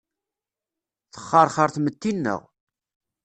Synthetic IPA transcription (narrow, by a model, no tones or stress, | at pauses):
θə̥χːɑɾˤχəɾˤθmət̪ːinːə̰ʁ